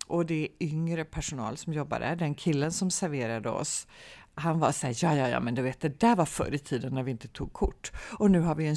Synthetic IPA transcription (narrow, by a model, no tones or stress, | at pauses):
ʔɔd̪ɛʏŋɾəpʰæʂʊnɑ̰ːlsɔmjɔbːa̰d̪æ̰ɖɛnkʰɪlːənsɔmsæɾveːɾad̪əɔ̰shanvasæːɾjɑːjɑːjɑ̰ːmɛnd̪ɵveːt̪̚d̪ɛd̪æɾvaɾfœ̰ɾɪt̪ʰiːd̪ənːæɾvɪɪnt̪ə̥t̪ʰuːɡ̚kʰʊʈːɔnʉ̟ːɦaɾvɪɛn